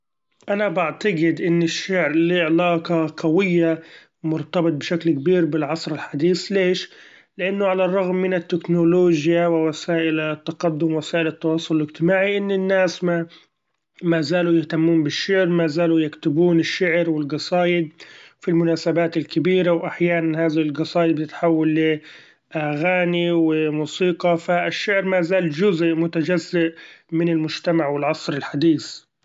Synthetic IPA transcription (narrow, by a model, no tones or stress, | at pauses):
ʔanabaʕt̪ɑɡɪd̪ʔɪnːɪʃːaʕɾliʕlaːqɑqawɪjːa | mʊɾt̪ɑbɨt̪̚bɪʃaklkbiːɾbɪlʕɑsˤɾɪlħad̪iːsleːʃ | lɪʔanːʊʕalarˤːɑɣmːɪnɪt̪ːɪknoloːʒjawɪwasaːʔɪlt̪ːɑqɑd̪ːʊmwasaːʔɪlɪt̪ːɑwɑːsˤːʊlɪlɪd͡ʒt̪ɪmaːʕiʔɪnːɪnːaːsma | mazaːlujɪht̪amːuːnbɪʃːɪʕɾmaːzaːlujakt̪ʊbuːnɪʃːɪʕɾwɪlɡɑsˤɑːjɪd̪̚filmʊnaːsabaːt̪ɪlkɪbiːɾawʔaħjaːnanhaːðalɡɑsˤɑːjɪd̪bt̪ɪt̪ħawːalːɪ | ʔaɣaːniwɪmuːsiːqɑfaɪʃːɪʕɾmaːzaːld͡ʒʊzʔmʊt̪ad͡ʒazːɪʔmɪnɪlmʊd͡ʒt̪amaʕwɪlʕɑsˤɾɪlħad̪iːθ